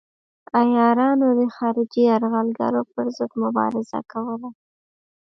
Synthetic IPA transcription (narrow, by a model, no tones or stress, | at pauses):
ajɑɾɑnod̪əxɑɾɪd͡ʒiaɾɣalɡa̰ɾopəɾzəd̪mʊbɑ̰ɾɪza̰kawəla